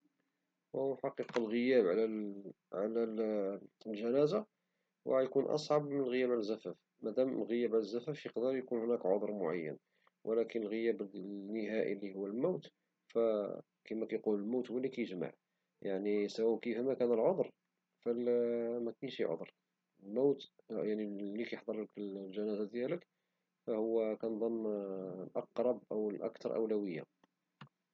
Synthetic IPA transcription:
wəhwħɑqiqɑlɣəjæbʕalæ | ʕalæ | lʒænæza | wjkunʔɑ̰sˤʕɑbmənlɣəjæbʕalzːæfæf | mæd̪æmlɣəjæbʕaləzːæfæfjəqd̪ɑɾjkunhʊnækʕo̰d̪ˤɾˤmʊʕa̰jːə̰n | wʔəlækənəlɣəjæbnːəɦæʔḭlːihʊwːəlmawt̪ | fæ | kæmækæjquləlmawt̪hwælːikæjəʒma̰ʕ | jaʕnisæwæwkəfæmækænəlʕod̪ˤɾ | fælmækænʃḭʕo̰d̪ˤɾ | əlmawt̪ | jaʕnilːikæjəħd̪ˤɑɾˤləkəlʒænæzæd̪jælək | fæhʊwːækænd̪ˤəmːlʔɑqɾˤɑb̚ʔəwəlʔɑ̰kt̪ɑɾˤʔə̰wlæwəjːa̰

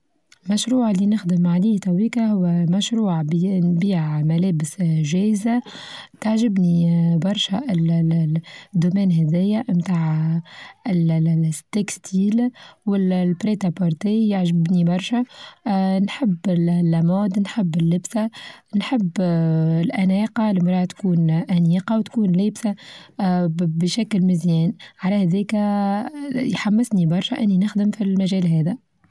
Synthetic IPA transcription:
lmæʃɾuːʕlːinəxd̪əmʕaliːt̪æwiːkahʊwːæmæʃɾuːʕnbiːʕmælɛːbɪsʒɛːzat̪aʕʒɪbnibɑɾˤʃæɪl | d̪ːumɛːnɦɛd̪ɛjːamt̪aːʕ | ɪlt̪ekst̪ʰiːlwɪllpɾet̪apoɾˤt̪ejaʕʒɪbnibɑɾˤʃa | nħɪbːɪllːæmoːd̪nħɪbːɪlːɪbsanħɪbːɪlʔænɛːqɑlɪmɾˤɑːt̪kuːnʔæniːqɑwt̪kuːnleːbsa | bɪʃæklmɪzjɛːnʕalæhæðɛːkæ | jħamːɪsnibɑɾˤʃæʔɪnːinɪxd̪ɪmfilmæʒɛːlɦɛːðæ

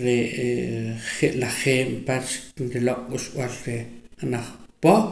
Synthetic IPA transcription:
ɾe | χeʔlaχeːmpat͡ʃnɾiloʔʼɓuʃw̰alɾeanaχpo

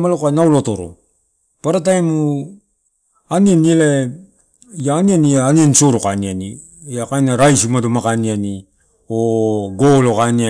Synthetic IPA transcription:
malokanawlotoɾo̰ | paɾatajmu | anianiele | jaːnianiaːniansoɾokaniani | jakajnaɾajsimadomakaniani | oɡolokania

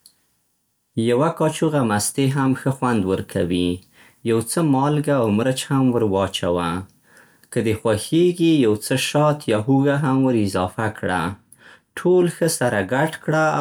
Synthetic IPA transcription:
jawakɑt͡ʃuɣamast̪eɦamxəxwand̪wəɾkʰawi | jawt͡səmɑlɡaːwmɾət͡ʃhamwəɾwɑt͡ʃawa | kəd̪əxwaxeɡijawt͡səʃɑt̪jɑɦuɣaɦamwəɾɪzɑfakɽa̰ | ʈʰolxəsaɾaɡaʈkɽa

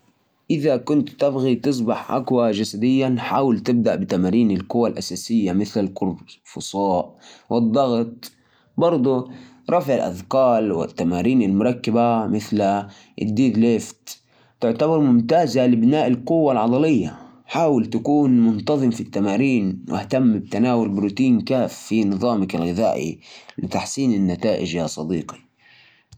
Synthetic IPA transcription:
ʔɪðakʊnt̪t̪ɑbɣit̪ɨs̬ˤbɑħʔa̰kwad͡ʒasad̪ɪjːanħaːwalt̪ɪb̚d̪aʔbɪt̪amaːɾiːnɪlqʊwːalʔasaːsɪjːamɪθlalqʊɾfʊsˤɑːʔwɪd̪ˤːɑɣt̪̚ˤ | bɑɾˤd̪ˤu | ɾˤɑfʕɪlʔa̰ðqɑːlwɪ̰t̪ːamaːɾiːnalmʊɾˤɑkːabamɪθl | ʔɪ̰d̪ːiːd̪leːft̪ | t̪ɪʕt̪abɑɾˤmʊmt̪aːzalɪbnaːʔɪlqʊwːalʕɑd̪ˤɑlɪjːa | ħaːwɪlt̪akuːnmʊnt̪ɑðˤɨmfit̪ːamaːɾiːnwɪ̰hat̪amːb̚t̪anaːwʊlbɾuːt̪iːnkaːfːinɨðˤɑːmɪkalɣɪða̰ːʔḭlɪt̪aħsiːnɪnːat̪aːʔɪd͡ʒjasˤɑd̪iːqi̥

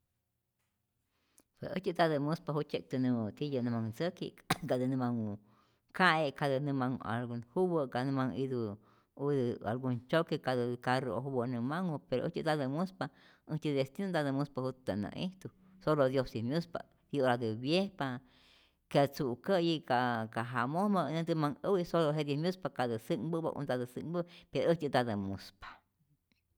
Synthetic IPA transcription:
pʷwḛsə̰t͡ʃid̪ad̪ɨmũspahut͡ʃek̚t̪ɨnũt̪ijənɨ̃mãŋt͡səkḭɡad̪ɨnɨ̃mãŋu | kʰaʔekʰad̪ɨnɨ̃mãŋa̰lɡunhuwəɡanɨ̃mãŋid̪u | ud̪ɨa̰lɡunt͡ʃokekad̪ɨkaɾooɦubənɨ̃mãŋupeɾo̰ʔət͡ʃɨd̪ad̪ɨmuspa | əht͡ʃiest̪inund̪aðəmuspahut̪anã̰ʔiht̪u | solod̪josimjuspa̰ | ioɾad̪ɨβjehpa | keat͡suʔkəjikakaɦamohmanẽd̪ɨmaŋəwisoloɦed̪jemjuspakaðɨsɨŋbɨba̰ʔṵnd̪ad̪ɨsɨŋbəpeɾoəht͡ʃɨt̪ad̪əmuspḁ

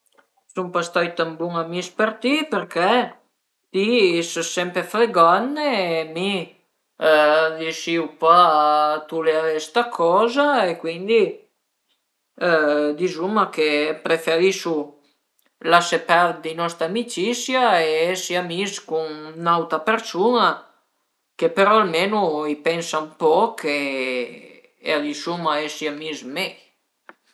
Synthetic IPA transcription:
sumpast̪ɔjt̪ambuŋamispeɾt̪ipeɾkɛ | t̪isəsɛmpɾefɾeɡɔnːemi | d̪isiupat̪uleaɾest̪akʰɔːzaekwind̪i | d̪izumakepɾefeɾiʃu | lasepaɾd̪inɔst̪ɾamit͡ʃisjaeɛsiamiskunnawt̪apeɾsuna | kepeɾɔalmenuipɛnsaumpɔkʰe | ḛad̪isumaɛsiamizmɛj

